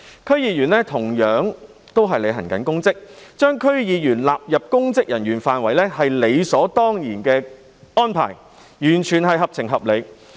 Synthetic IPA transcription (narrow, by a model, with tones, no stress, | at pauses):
kʰɵ˥ɥjiː˨˧jyː˨˩nlɛː˥t̪ʰʊ˨˩ŋjœː˨˧˥ŋ | t̪o˥wɦɐ˨jle˨˧ɦɐ˨˩nkɐ̰˨˥nkʊ˥ŋt͡sɪ˥k̚t͡ʃœː˥ŋkʰɵ˥ɥjiː˨˧jyː˨˩nlaː˨p̚jɐ˨p̚kʊ˥ŋt͡sɪ˥k̚jɐ˨˩njyː˨˩nfaː˨nwɐ˨˩jlɛː˥ɦɐ˨jle˨˧jsɔː˨˥t̪ɔː˥ŋjiː˨˩nkɛː˧ | ɔː˥npʰa̰ː˨˩j | jyː˨˩nt͡ʃʰyː˨˩nɦɐ˨jɦɐ˨p̚t͡sʰɪ˨˩ŋɦɐ˨p̚le˨˧j